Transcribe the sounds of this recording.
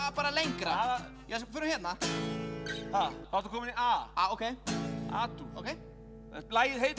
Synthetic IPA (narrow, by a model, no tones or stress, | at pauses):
paːɾalejŋkɾaaa | jɛs̬fʏɾʏɾçɛt̪na | hakʰaɾt̪ukʰɔːmɪniʔaaowkʰeja̰t̪uo̰wkʰej | ɛlaːjɪðɦet̪